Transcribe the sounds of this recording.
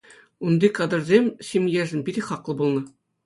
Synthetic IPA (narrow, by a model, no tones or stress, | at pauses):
und̪ikɑd̪ɤ̆rzʲemʲɕʲimʲjeʐɘ̆nbʲiɾʲiχɑqlˠɤ̆bulˠnɤ̆